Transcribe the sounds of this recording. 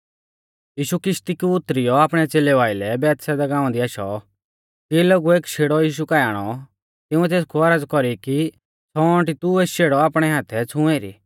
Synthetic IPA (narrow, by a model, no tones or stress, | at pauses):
jiːʃukɾɪʃt̪ikuʊt̪ːɾɪjɔaːpɽ̃ɛt͡seːlɛʋaːɪlɛbɛːt̪sɛd̪ɛɡãːɔ̃d̪iaʃɔ̰ | kiloɡueːkʃʰeːɽɔjiːʃ̬ukajaːɽ̃ɔ | t̪ɪʊ̃ɛt̪eːskʰuɐɾəd͡zkɔɾiki | t͡sʰɔɔ̃ɳʈit̪ueːʃeːɽɔaːpɽ̃ɛɦaːt̪ʰɛt͡sʰũeːɾḭː